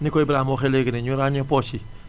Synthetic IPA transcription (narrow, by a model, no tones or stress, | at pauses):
nikoibɾamoxeleɡineɲuɾaɲeposi